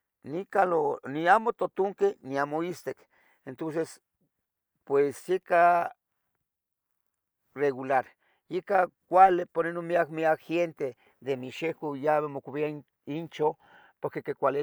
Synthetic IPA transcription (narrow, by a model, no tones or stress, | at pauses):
nikaloniamot̪ot̪uŋkeniamoist̪ek | ent̪ons̬es | pwesjika | reɣulaɾ | jikakʷalepoɾenomiakmiakxent̪e | d̪emiʃekujaβemokuβia | int͡ʃo | poɾkekekʷale